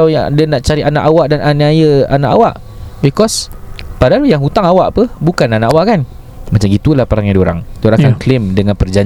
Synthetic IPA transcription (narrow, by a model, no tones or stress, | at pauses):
awjadənaʔt͡ʃaɾiʔanaʔawaʔdananiajəa̰naʔa̰waʔ | bikɔspadalujaŋɦut̪aŋawaʔpəbukananaʔawaʔkan | mat͡ʃamɡit̪ulahpəɾaŋjadioɾa̰ŋtoɾakanklemdəŋãnpərd͡ʒaɲ